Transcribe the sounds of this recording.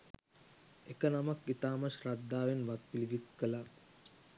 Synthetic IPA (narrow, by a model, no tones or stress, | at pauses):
ekənamakit̪aːmɐʃrad̪ːaːʋenʋat̪̚piliʋit̪kəla